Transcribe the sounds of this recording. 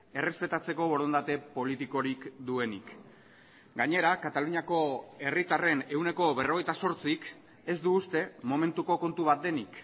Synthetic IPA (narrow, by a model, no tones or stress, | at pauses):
e̞re̞spe̞t̪at͡se̞ko̞βo̞ɾo̞nd̪at̪e̞po̞lit̪iko̞ɾikd̪ue̞nik | ɡaɲe̞ɾakat̪aluɲiako̞e̞rit̪are̞ne̞wne̞ko̞βe̞ro̞ɣ̞e̞jt̪aso̞ɾt͡sik | e̞zd̪uːst̪e̞mo̞me̞nt̪uko̞ko̞nt̪uβat̪̚d̪e̞nik